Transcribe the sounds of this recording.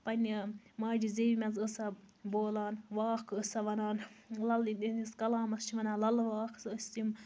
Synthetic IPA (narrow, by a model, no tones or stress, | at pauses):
pɐnʲmaːd͡ʒizeʋʲimʲɐnzəsɐboːlaːnʋaːkʰəsɐʋɐnaːnlɐlniniskɐlaːmɐst͡ʃʰiʋɐnaːnlɐlʋaːkʰsəsʲt̪im